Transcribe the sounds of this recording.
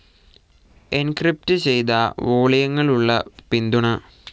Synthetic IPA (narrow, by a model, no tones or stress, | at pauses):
enkrip̚tɨt͡ɕe̞jt̪aoːɭɐjɐŋːɐɭuɭːɐ̰pind̪uɳɐ